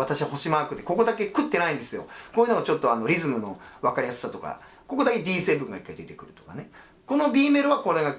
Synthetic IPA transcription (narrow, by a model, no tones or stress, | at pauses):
at̪aɕiβaho̞ɕimaːkɯ̟t̪ːeko̞ko̞d̪ake̞kɯ̟t̪ːe̞naĩnd̪e̞sɨjo̞̰ko̞ːjiɯnoat͡ɕo̞t̪ːo̞ano̞ɾʲizɨmɯ̟noβakaɾʲijasɨ̥sat̪o̞ka̰ | ko̞ko̞d̪ake̞d̪ʲiːse̞ːbɯ̟̃ŋɡa̰ikːaid̪e̞t̪e̞kɯ̟ɾɯ̟t̪o̞̥kane | ko̞no̞bʲiːme̞ɾɯ̟βako̞ɾe̞ɡa